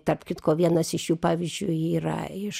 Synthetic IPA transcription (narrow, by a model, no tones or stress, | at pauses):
t̪ɐrpkʲɪt̪koːʋʲiɛnɐsɪʃjuːpɑːʋʲɪzʲd͡ʒʲʊiːɾɐ̰ɪʃ